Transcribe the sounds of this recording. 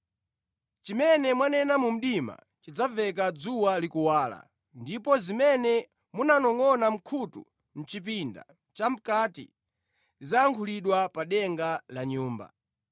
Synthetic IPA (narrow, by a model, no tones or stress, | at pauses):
t͡ʃimɛnɛmwanɛnamum̩ɗima̰ | t͡ʃid͡zavɛk̬ad͡zuwalikuwaːla̰ | ndipɔzimɛnɛ | munanɔŋɔnam̩kʰutṵ | m̩t͡ʃip̬inda̰ | t͡ʃam̩katḭ | zaːŋkʰuliɗwapaɗɛŋɡalaɲuːmba̰